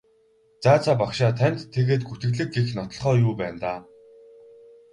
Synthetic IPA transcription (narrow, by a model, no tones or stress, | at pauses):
t͡saːt͡sʰaːpakʃaːt̪ʰæn̥ʲt̪ʰːeɣeːt̪̚ɡut̪ɘ̆ɮɘ̆k̚ɡexnɔt̪ɞ̆ɮχɔːjuːpæːnt̪aː